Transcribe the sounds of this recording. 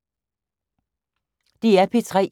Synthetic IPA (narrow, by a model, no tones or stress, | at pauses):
d̥iæpʰit͡sʰʁɛ̰